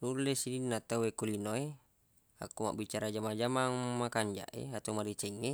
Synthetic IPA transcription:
nulːesininːat̪awekulinoe | a̰kːuma̰ʔbit͡ʃaɾad͡ʒamad͡ʒamaŋmakaɲd͡ʒa̰ʔḛat̪omadit͡ʃɛŋːe

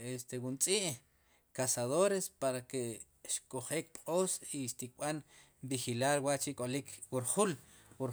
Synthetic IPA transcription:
est̪ewunt͡sʼiʔ | kasaðoɾespaɾake | ʃkʼoχeːk̚pʼqʼoːsiʃt̪ik̚ɓan | bixilaɾwaʔt͡ʃikʼolikʰwuɾχul | wuɾ

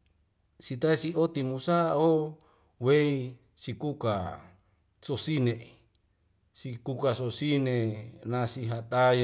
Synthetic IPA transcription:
sit̪aisiot̪imusao | wei | sikuka | sosinei | sikukasosinenasiɦat̪aj

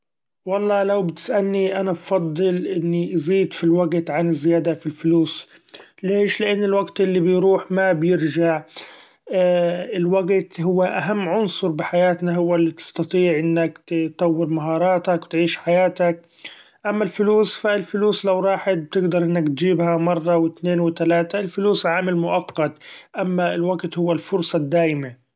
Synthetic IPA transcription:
wɑlˤːɑːlawbt̪ɪ̥sʔalniʔanabfɑd̪ˤːɨlʔɪnːiziːd̪filwaɡt̪ʕanɪzːɪjaːd̪afilfluːs | leːʃlɪʔanːɪlwaɡt̪ʔɪlːibɪjɾuːħmabjɪɾʒaʕ | ɪlwaɡt̪ɦʊwːaʔaɦamːʕʊnsˤʊɾˤbɪħajaːt̪naɦʊwːalːit̪ɪ̥st̪ɑt̪ˤiːʕʔɪnːakt̪ɑwːɪɾmaɦɑːɾˤɑːt̪akwɪt̪ʕiːʃħajaːt̪ak̚ | ʔamːalfʊluːsfalfʊluːslawɾˤɑːħɪt̪̚b̚t̪ɪɡd̪ɑɾˤʔɪnːakt̪d͡ʒiːbhamɑrˤːɑwɪt̪neːnwɪt̪alaːt̪aɪlfʊluːsʕaːmɪlmʊʔɑqːɑt̪ʔamːaɪlwaɡt̪hʊwːalfʊɾsˤɑd̪ːaːjɪma

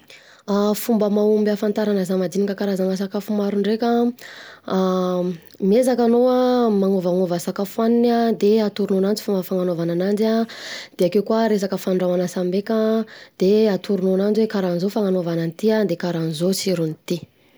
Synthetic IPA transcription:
afumbəmaumbafant̪aɾanəzamad̪inikəkaɾazaŋas̬akafumaɾuɳɖ͡ʐekʲa | mezakanoamaŋovaŋovasakafuaninad̪eat̪uɾunonand͡zifumbəfaŋanovananand͡ʒad̪̥eakewkuaɾes̬akəfanɳɖ͡ʐawanasambekʲad̪̥eat̪uɾunonand͡zwekaɾanizofaŋanovananit̪iad̪ekaɾanizot͡siɾunit̪i

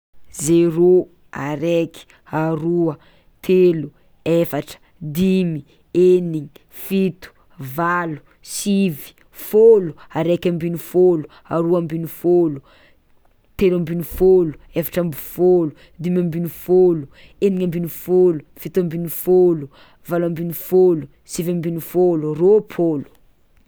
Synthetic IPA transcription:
zeɾo | a̰ɾeki̥ | aɾuə | t̪ʰelu | efaʈ͡ʂə̥ | d̪imi | eniŋi | fit̪u̥ | valu̥ | sivi̥ | foluaɾekʲambinifolu | aɾuambinifolu | t̪elambinifolu̥efḁʈ͡ʂambifolu | d̪imambinufolueniɲambinufolufit̪ambinifolu | valambinufolu | sivambinifoluropʰolu̥

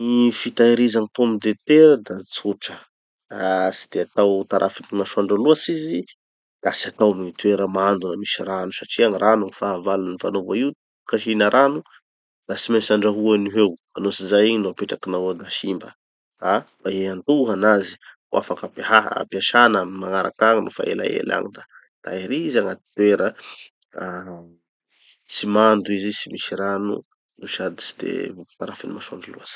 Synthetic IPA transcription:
nifit̪aiɾizaŋipomid̪et̪eɾəd̪at͡suʈ͡ʂə | si̥d̪̥eat̪awt̪aɾʔa̰finimaʃuaɳɖ͡ʐaluasizi | d̪̥asiat̪awmit̪ueɾəmand̪unamiʃiranusaʈ͡ʂiaŋirʔanufavalunnivanovaiwt̪ | kaʃinaɾʔanu | d̪̥asimesaɳɖ͡ʐaɦuaniɦewanosizajiɲinuapeʈ͡ʂakinawad̪aʃimbə | abaeant̪uɦanazi̥ | uʔa̰fakapeɦaɦa̰piaʃanəmaŋaɾa̰kaŋinufa̰ḛla̰ḛla̰ŋid̪a | d̪̥a̰iɾiizaŋat̪i̥t̪ueɾə | a | simand̪uizisimiʃiɾanṵ | nuʃad̪i̥si̥d̪ḛvuku̥t̪aɾafinimaʃaɳɖ͡ʐuluaz̥ḁ

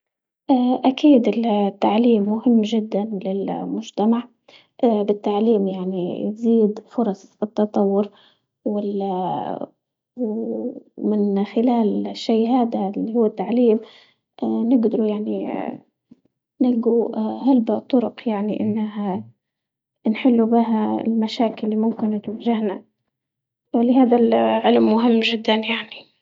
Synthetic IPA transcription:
ʔaʔakiːd̪ɪlt̪ːaʕliːmːʊhɪmːʒɪd̪ːanlɪlmʊʒt̪amaʕ | ʔabɪt̪ːaʕliːmjaʕnijziːd̪fʊɾˤɑsˤɨt̪ːɑt̪ˤɑwːʊɾ | wɪl | w | mɪnxɪlaːlʃːiːɦaːd̪alːihʊːat̪ːaʕliːm | ʔnɪɡd̪ɑɾujaʕni | nɪɡuhalbt̪ˤːʊɾʊqjaʕniʔɪnːaɦa | nħɪlːubɪɦaɪ̰lmaʃaːkɪlːimʊmkɪnt̪waʒahna | wɪlɪɦaːd̪alʕɪlmːʊɦɪmːʒɪd̪ːanjaʕni

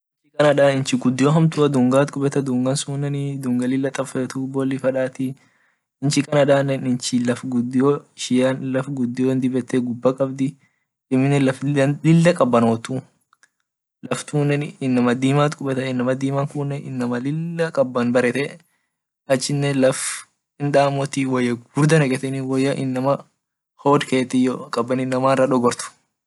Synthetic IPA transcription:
nt͡ʃːɪkɐnɐᶑaːnɪnt͡ʃɪɡʊd̪ːɪjoːɦɐmt̪ʊɐd̪ʊŋɡaːt̪kʼʊbɛt̪ɐd̪ʊŋɡɐnsuːnːɛnɪd̪ʊŋɡɐlɪlːɐt̪ʼɐfɛt̪uːbɔlːɪfɐᶑaːt̪ɪ | ɪnt͡ʃɪkɐnɐᶑaːnɛnɪnt͡ʃɪlɐfɡʊd̪ːɪjoːʃɪjanlɐfɡʊd̪ːɪjond̪ɪbɛt̪ːeɡʊbːɐkʼɐbd̪ɪ | ɪmːɪnɛlɐflɪlːɐkʼɐbːɐnoːt̪u | lɐft̪uːnːɛnɪnːɐmɐd̪iːmaːt̪ʼkʼʊbɛt̪ɐɪnːɐmɐd̪iːmɐŋkʊnːɛʔɪnːɐmɐlɪlːɐkʼɐbːɐnbɐɾɛt̪ɛ | ɐt͡ʃːɪnːɛlɐf | ɪnᶑaːmɔt̪iwɔjːɐɡʊɾd̪ɐnɐɡɛt̪ɛniwɔjːɐʔɪnːɐmɐ | hoːd̪ke̞ːt̪ːɪjɔkʼɐbːɐnɪnːɐmaːnrɐᶑɔɡɔɾt̪ʊ̥

